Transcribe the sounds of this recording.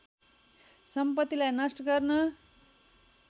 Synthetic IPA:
sʌmpʌt̪ːilajnʌsʈʌɡʌrnʌ

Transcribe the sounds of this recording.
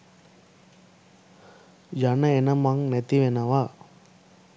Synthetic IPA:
jɐnɐenɐmaŋnet̪iʋenɐʋaː

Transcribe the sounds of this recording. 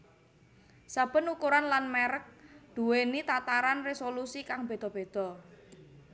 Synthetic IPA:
sab̥ə̤nukuɾanlanmeɾək̚d̪̥ṳwenit̪at̪aɾanresolusikaŋb̥e̤d̪̥ɔ̤b̥e̤d̪̥ɔ̤

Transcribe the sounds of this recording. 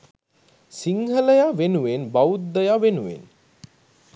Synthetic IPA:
siŋɦələjaʋenuʋenbaut̪̚d̪əjaʋenuʋḛn

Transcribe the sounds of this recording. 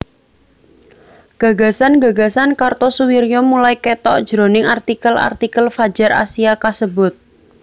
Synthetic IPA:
ɡ̥ä̤ɡa̤sanɡa̤ɡa̤sankart̪ɔsuwiɾjɔmulaikɛt̪ɔʔd̥ʒ̥ɾo̤nɪŋart̪ikəla̰rt̪ikəlfḁd͡ʒa̤ɾʔa̰siakasəbʊt̪̚

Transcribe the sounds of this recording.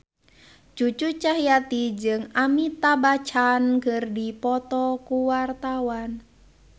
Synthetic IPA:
t͡ʃut͡ʃut͡ʃaɦijat̪id͡ʒɨŋamit̪abat͡ʃankərdipɔt̪ɔkuwart̪awan

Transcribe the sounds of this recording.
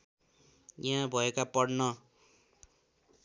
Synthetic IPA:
jãbʱʌekapʌɽnʌ

